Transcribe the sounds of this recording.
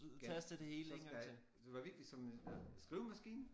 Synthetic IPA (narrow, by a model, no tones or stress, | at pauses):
t͡sʰæsd̥əd̥e̝he̝̰ːləeŋɐt͡sʰe | d̥e̝ʋɑ̈ʋiɐɡ̥d̥i̥sɒ̽msɡ̥ʁiʊmæsɡ̥ḭːn